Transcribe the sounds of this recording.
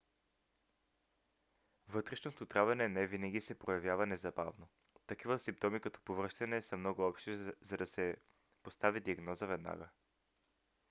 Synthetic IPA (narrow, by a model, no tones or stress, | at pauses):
vɤt̪ɾɛʃnot̪ot̪ɾavɛnɛnɛvinɐɡ̟ʲisɛpɾojɐvjavɐnɛzɐba̰vno | t̪ɐk̟ivəsimp̚t̪ɔmikɐt̪ɔ̥povɾɤʃt̪ɐnɛsəmnɔɡʊɔpʃt̪izɐd̪ɐsɛ | post̪avid̪iɐɡnɔzəvɛd̪na̰ɡə